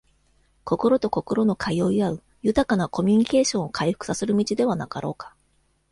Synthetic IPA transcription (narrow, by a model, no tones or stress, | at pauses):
ko̞ko̞ɾo̞t̪o̞ko̞ko̞ɾo̞no̞kʰaijo̞ːiaɯ̟ | jɯ̟t̪akanako̞mʲɯɲ̟ike̞ːɕõ̞ɰ̃okʰaiɸɯ̥kɯ̟̥saseɾɯ̟mʲit͡ɕid̪e̞β̞anakaɾo̞̰ːkḁ